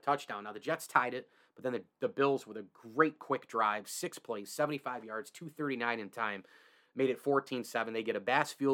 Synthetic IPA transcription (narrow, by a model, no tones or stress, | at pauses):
tʰʌt͡ʃd̥ãʊ̃naʊðɨd͡ʒɛtstʰaɪɾɨt̚ | b̥ʌt̪̚ðɨ̃nðɨðɨbɪlˠzwəðɨɡɹeɪt̚kʰw̥ɪk̚d̥ɹaɪv̥sɪkspʰl̥eɪssɛvn̩tifaɪvjɑɹdz̥tʰʉθɜ˞ɾinãɪ̃ñɨ̃ntʰãɪ̃m | meɪɾɨtfɔɹtʰĩnsɛvɨ̃n̩ðeɪɡɛɾɨbæsfi